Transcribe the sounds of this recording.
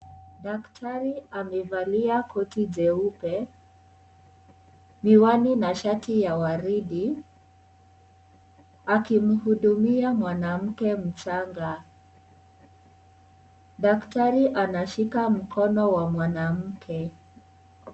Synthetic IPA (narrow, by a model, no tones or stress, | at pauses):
ɗaktʰaɾiamɛvaliakʰɔtiʄɛupɛ | miwaninaʃatijawaɾiɗi | akim̩huɗumiamwanam̩kɛm̩t͡ʃaŋɡa | ɗaktaɾiʔanaʃikam̩kʰɔnɔwamwanam̩kʰɛ